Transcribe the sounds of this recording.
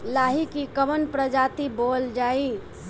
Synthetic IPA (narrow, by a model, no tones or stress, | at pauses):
laːɦikikəʋənpɾəd͡ʒaːt̪iboːld͡ʒaːi